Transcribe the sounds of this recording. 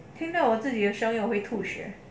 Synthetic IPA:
t̪ʰiŋt̪ɑʊwɔt͡sɹ̩t͡ɕid̪əʂɑŋjoʊxweɪt̪ʰuɕɥɛ̰

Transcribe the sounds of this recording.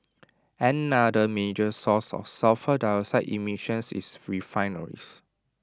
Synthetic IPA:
ɛ̃nadəmed͡ʒəsɔsɔ̰fsafədajəsaɪtimiʃə̃nsḭsɹifãɪnəɹḭs

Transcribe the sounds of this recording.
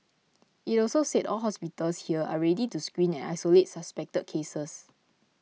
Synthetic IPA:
itɔlsosetɔ̰lɦɔspitəlshiəa̰ɹɛdituskwĩnɛ̃na̰jsolet̚saspɛk̚təd̚kʰesəs

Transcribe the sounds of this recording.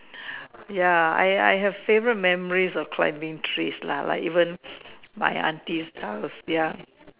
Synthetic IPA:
jaa̰ja̰jɦɛv̥fevəɹət̚mɛməɔɹisɔfkʰlã̰jmɪ̃ŋtʰɹesla̰la̰kivə̃nma̰jã̰ntistʰhawsja

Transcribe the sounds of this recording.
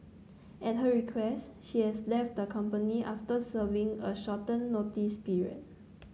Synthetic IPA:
ʔɛt̚ɦəɹikʰwɛsʃihɛslɛft̚dəkʰãmpəniʔa̰ftəsəvĩŋəʃɔtə̃nːotispiɹiə̰t̚

